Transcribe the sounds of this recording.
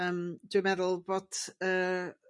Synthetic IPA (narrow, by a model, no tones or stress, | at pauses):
əmd̥wɨmɛðʊlˠboːd̥əː